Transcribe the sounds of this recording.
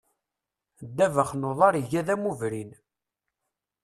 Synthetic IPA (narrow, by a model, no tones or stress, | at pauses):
d̪ːævəχnoðˤɑɾʝæðæmuvɾin